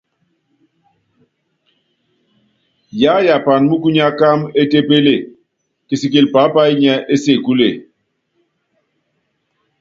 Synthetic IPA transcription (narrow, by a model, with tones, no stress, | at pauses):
ja˨˦ja˨pa˨nmu˦ku˦ɲa˦ka˦me˦te˦pe˦le˨ | ke˨si˨ki˨lpa˨˦pa˦i˦ɲɛ˦e˦se˨ku˦le˨